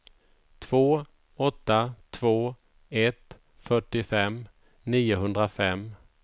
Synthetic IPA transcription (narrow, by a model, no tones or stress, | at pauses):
t̪ʰv̥oː | ɔt̪ːat̪ʰvoː | ɛt̪ | fœʈːɪfɛmː | niːʊɦɵnd̪ɾafɛmː